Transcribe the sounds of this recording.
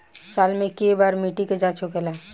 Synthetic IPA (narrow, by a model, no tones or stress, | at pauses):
saːlmẽkebaːɾmiʈiked͡ʒat͡ʃʰokelaː